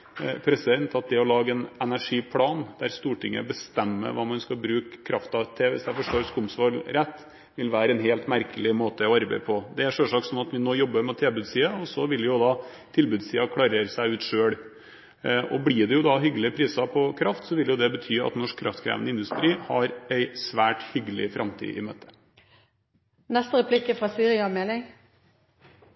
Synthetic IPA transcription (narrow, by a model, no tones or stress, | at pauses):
pʰɾɛsɛnt̪ʰɑt̪̚d̪ɛɔlɑːɡəɛnɛnæʂiːpʰlɑːnd̪æɾst̪uːʈɪŋːə̰bəst̪ɛmːə̰ʋɑ̰ːmɑnskɑbɾʉːkʰːɾɑft̪ɑt̪ʰɪʋɪsd̪æfɔʂʈoːɾskʊmsʋɑlɾɛt̪ː | ʋɪlʋæːɾəɛnɦeːlt̪mæɾkəlɪmoːt̪əɔʋɑɾbæ̰ɪpʰɔd̪ɛæʂøʂɑksɔnɑt̪ʋɪnoːjɔbːəmɛt̪ʰeːbʉːd̪siːəɔsɔʋɪljʊd̪ɑː | t̪ʰɪlbʉːd̪siːɑkʰlɑːɾəɾsæɪʉːt̪ʂøːɽ | ɔbɽɪɖɛjʊd̪ɑɦʏɡəlɪpʰɾiːsɑpʰɔkʰɾɑft̪sɔʋɪljʊd̪ɛbət̪ʰyːɑ̰t̪nɔʂkʰːɾʔɑ̰ft̪kʰɾæ̰ːʋənəɪnd̪ʉst̪ɾiːhɑɾæɪsʋæːʈhʏɡəlɪ̰fɾʔɑmt̪ʰḭːʔɪ̰mø̰ːt̪ə̥ | nɛst̪əɾɛpʰlɪkːəfɾɑsyːɾɪɑmɛlɪŋ